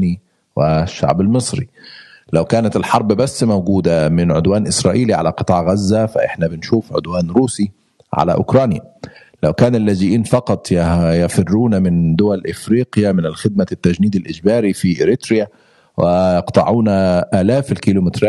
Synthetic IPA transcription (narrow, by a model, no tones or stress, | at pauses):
ni | wɪʃːa̰ʕbalmɨsˤɾḭlawkæːnat̪ɪlħɑɾˤbbasːmawɡuːd̪amɪnʕʊd̪waːnʔɪsɾˤɑːʔiːliʕalæqɨt̪ˤɑːʕɣazːafaʔɪ̰ħnæbɪnʃuːfʕʊ̰d̪waːnɾuːsi | ʕa̰læ̰ʔʊ̰kɾˤɑːnja̰ | lawkæːnalːæːd͡ʒɪʔiːnfɑqɑt̪ˤjjɑfɪrːuːnamɪnd̪ʊwælʔɪfɾiːqjamɪnɪlxɪd̪̚mat̪ːæd͡ʒniːd̪ɪlʔɪd͡ʒbæːɾifiʔɪɾɪt̪ɾɪja | wʔɪjɑqt̪ˤɑʕuːnaʔaːlæːflkilumɪt̪ɾa